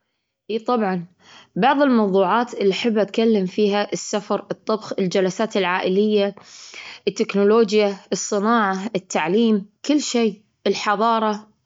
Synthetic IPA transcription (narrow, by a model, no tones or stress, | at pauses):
ʔiːt̪ˤɑbʕɑn | bɑʕðˤɪlmɑwðˤuːʕaːt̪ʔɪlːiħɪbːʔat̪kalːɪmfiːɦaʔɪsːafɑɾˤʔɨt̪ˤːɑbxɪld͡ʒalasaːt̪ɪlʕaːʔɪlɪjːa | ʔɪt̪ːɪknʊloːd͡ʒjaʔɨsˤːɨnaːʕaɪt̪ʰːaʕliːmkɪlːʃeː | ʔɪlħɑðˤɑːɾˤɑ